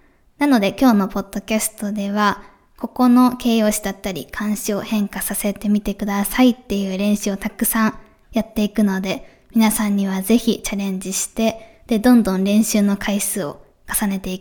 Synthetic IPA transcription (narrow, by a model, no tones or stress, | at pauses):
nano̞d̪e̞kʲo̞ːno̞po̞d̪̥ːo̞kʲasɨ̥t̪o̞d̪e̞βa | ko̞ko̞no̞ke̞ːjo̞ːɕid̪at̪ːaɾʲḭkʰãɰ̃ɕio̞hẽ̞ŋkasase̞t̪e̞mʲit̪e̞kɯ̟d̪asait̪ːe̞jɯ̟ːɾẽ̞ɰ̃ɕɨo̞t̪akɯ̟̥sãɰ | jat̪ːe̞ikɯ̟no̞d̪e̞ | mʲinasãɲ̟ːiβ̞aze̞çʲit͡ɕaɾẽ̞ɲ̟d͡ʑiɕi̥t̪e̞ | d̪̥e̞d̪õ̞nd̪õ̞nɾẽ̞ɰ̃ɕɨːno̞kʰaisɨːo̞̰ | kḁsane̞t̪e̞ikɯ̥